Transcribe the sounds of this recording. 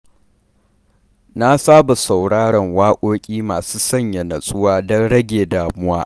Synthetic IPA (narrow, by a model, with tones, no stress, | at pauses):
na˦saː˦ba˨sa˨wɽaː˦ɽɐ˨ŋwaː˦kʷʼoː˦kʲʼiː˦maː˨suː˦sɐ˦˨ɲja˨nɐ˨sʼʊ˦waː˦dɔ˦nɽɐ˦ɡʲeː˨daː˨mʊ˦waː˦